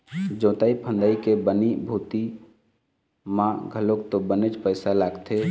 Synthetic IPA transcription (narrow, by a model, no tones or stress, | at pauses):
d͡ʒõːt̪aipʰə̃nd̪əikebənibʱuːt̪i | mãɡʱəlokt̪obənet͡ʃpəɪsalaːɡt̪ʰe